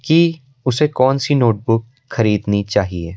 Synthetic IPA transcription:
ki | ʊsekɔːnsinoːʈ̚bʊk̚ | xɐɾiːd̪nit͡ʃaːɦieː

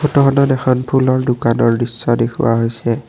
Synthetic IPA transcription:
ɔtɔɦɔnɔtɛxɔnpʰulɔɹdʊkanɔɹdisːɔdexʊ̰wa̰ɦojsɛ

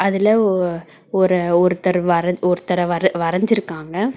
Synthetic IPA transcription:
ɐðɪlɐ | ɔɾɯɔɾɯt̪ːɐɾʋɐɾɐɔɾɯt̪ːɐɾɐʋɐɾɐʋɐɾɐɲd͡ʒɪɾɯkːaːŋɡɐ

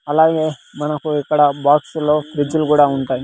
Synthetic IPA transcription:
ɐlaːɡe̞ː | mɐnɐkuikːɐɽɐbaːkslo̞ːbɾid͡ʒːulukuːɽaːuɳʈaːji

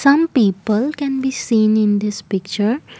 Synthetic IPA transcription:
sʌ̃mpiːpəlkɛ̃nbiːsĩːnɪ̃nd̪ɪspɪkt͡ʃəɾ

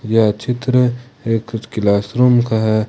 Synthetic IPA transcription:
jat͡ʃɪt̪ɾəeːkkɪlaːsɾumkaɦɛ

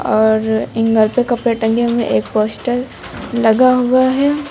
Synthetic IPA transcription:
ɔːɾɪ̃ŋɡəlpekɐpɾeʈɐ̃ŋɡemḛ̃ʔeːk̚poːsʈəɾ | lɐɡaɦuaɦɛː

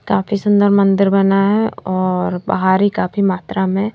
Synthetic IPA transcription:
kaːfisʊ̃nd̪əɾmə̃nd̪ɪɾbɐnaɦɛɔːɾba̰ɦaːɾikaːfimaːt̪ɾamẽ

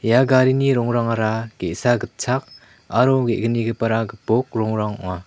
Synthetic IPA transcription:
jaɡaɾiniɾɔŋɾaŋaɾaɡ̥eʔsaɡɯt̚t͡sʰak̚ | aɾɔɡeʔɡɯniɡɯpaɾaɡɯpɔk̚ɾɔŋɾaŋŋa

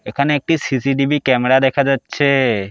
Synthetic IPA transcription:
ekʰaneek̚ʈisisiɖibikɛmɾad̪ekʰad͡ʒətːʃʰe

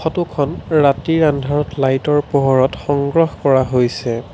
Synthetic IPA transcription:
xɔtukʰɔnɹatiɹandʱaɹɔtlajtɔɹpoɦɔɹɔtxɔŋɡɹɔxkɔɹaɦojsɛ

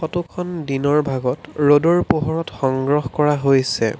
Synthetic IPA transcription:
xɔtukʰɔndinɔɹbʱaɡɔtɹodoɹpoɦɔɹɔtxɔŋɡɹɔxkɔɹaɦojsɛ̰

